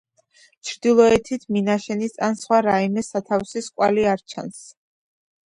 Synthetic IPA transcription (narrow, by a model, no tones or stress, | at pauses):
t͡ʃʰɾd̪ilˠɔɛt̪ʰit̪ʰminaʃɛnisansχwaɾaimɛsat̪ʰavsiskʼwaliaɾt͡ʃʰa̰ns